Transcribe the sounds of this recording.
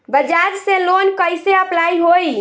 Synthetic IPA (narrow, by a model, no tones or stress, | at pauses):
bəd͡ʒad͡ʒselonkəjseəplaiɦoj